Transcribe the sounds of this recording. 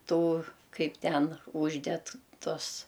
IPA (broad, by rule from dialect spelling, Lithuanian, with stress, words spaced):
ˈtuː ˈkɐɪp ˈtʲɛn ˈʊʒʲdʲɛt ˈtʊs